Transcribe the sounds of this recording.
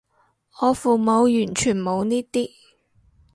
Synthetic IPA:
ŋɔː˨˧fuː˨˩mo˨˧wjyː˨˩nt͡ʃʰyː˨˩nmo˨˧wniː˥t̪iː˥

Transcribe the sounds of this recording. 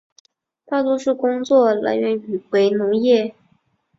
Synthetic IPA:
t̪ʰa˥˩t̪o˥ʂɻ̩˥˩kʊ˥ŋt͡swɔ˥˩la̰˧˥ɪɥɛ˧˥ny˨˩we˧˥ɪnʊ˧˥ŋjɛ˥˩

